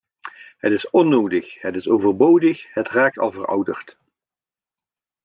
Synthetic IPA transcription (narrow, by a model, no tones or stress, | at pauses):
hətɪsɔnːowdəχɦətɪsowvərbowdəxhətraːk̚tɑ̰lˠvərʌ̰wdəɹt